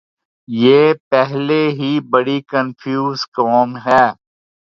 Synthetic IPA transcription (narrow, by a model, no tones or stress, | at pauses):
jeːpɛɦleɦibɐɽikənfʰjuːzkɔːmɦɛː